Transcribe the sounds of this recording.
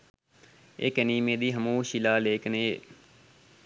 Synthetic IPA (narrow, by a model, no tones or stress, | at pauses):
ḛːkəniːmẽːd̪iːɦəmuːʃilaːleːkəneː